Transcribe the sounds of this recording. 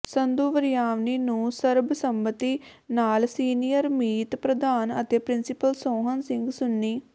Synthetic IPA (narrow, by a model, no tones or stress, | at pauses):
sənd̪uːʋəɾijaːʋniːnũːsəɾbsəmbət̪iːnaːlsiːnijəɾmiːt̪pɾəd̪aːnə̰t̪eːpɾɪnsɪpəlsoːɦənsɪ̃ŋɡsʊnːiː